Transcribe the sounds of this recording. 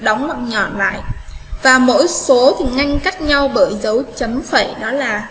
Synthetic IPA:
ɗɔ˨˦wŋ͡mmɔ˨˩t̚ɲɔ̰˧˩nla̰ː˧˨jʔvaː˨˩mo̰˧˥jso˨˦t̪ʰi˨˩ŋa˧jŋ̟ka˦˥jk̚ɲa˧wɓəː˧˩jzə˨˦wt͡ɕə˨˦mfe˧˩ɗɔ˨˦laː˨˩

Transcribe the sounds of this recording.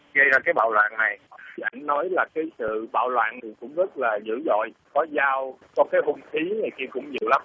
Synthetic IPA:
ɣə˧jzaː˧kaː˨˦jɓa̰ː˧˨wlwa̰ː˧˨nna˨˩jʔa˧˩jŋ̟nɔ˨˦jlaː˨˩kaː˨˦jsɨ̰˧˨ɓa̰ː˧˨wlwa̰ː˧˨nni˨˩kʊ̰˧˥ŋ͡mzə˦˥t̚laː˨˩zɨ̰˧˥zɔ̰˧˨jkɔ˨˦zaː˧wt͡ɕɔ˨˧˦kaː˨˦jɦʊ˧ŋ͡mt̪ʰi˨˦na˨˩jki˧kʊ̰˧˥ŋ͡mɲi˨˩əwla˨˦m

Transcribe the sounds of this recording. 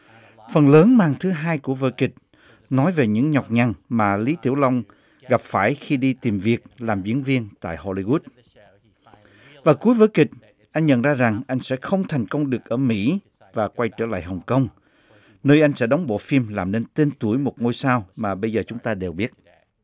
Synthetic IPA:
fə˨˩nləː˨˦nmaː˧˩ŋt̪ʰɨ˨˦ɦaː˧jku˧˩əvə̰ː˧˦kï˨˩k̟̚ | nɔ˨˦jve˨˩ɲɨ̰˧˥ŋɲɔ˨˩wk͡p̚ɲa˨˩ŋmaː˨˩li˨˦t̪ʰḭ˧˩əwla˧wŋ͡m | ɣa˨˩p̚faː˧˩jxi˧ɗi˧t̪i˨˩mvi˨˩ək̚laː˨˩mzḭ˧˥ənvi˧ənt̪a̰ː˧˨jho˧li˧ɣu˦˥t̚ | vaː˨˩ku˨˦əjvəː˧˨˦kï˨˩k̚ | ʔa˧jŋ̟ɲə̰˧˨nzaː˧za˨˩ŋʔa˧jŋ̟sɛ̰˧˥xə˧wŋ͡mt̪ʰɛ˨˩ŋ̟kə˧wŋ͡mɗɨ˨˩ək̚ʔəː˧˩mḭ˧˥ | vaː˨˩kwa˧jt͡ɕəː˧˩la̰ː˧˨jɦə˨˩wŋ͡mkə˧wŋ͡m | nəː˧jʔa˧jŋ̟sɛ̰˧˥ɗɔ˨˦wŋ͡mɓo̰˧˨fi˧mlaː˨˩mne˧nt̪e˧nt̪u˧˩əjmo˨˩t̚ŋo˧jsaː˧wmaː˨˩ɓə˧jzəː˨˩t͡ɕʊ˨˦ŋ͡mt̪aː˧ɗe˨˩wɓi˦˥ət̚

